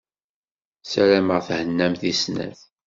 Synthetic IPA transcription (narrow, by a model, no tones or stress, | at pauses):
sælæməʁθhənːæmθisnæ̰θ